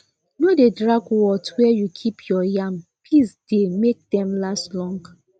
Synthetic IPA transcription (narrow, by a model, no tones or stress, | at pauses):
nodedɹakwɔtwɛjukʰipjɔjãmpʰlisd̥emek̚dɛ̃mlastlɔ̃ŋɡ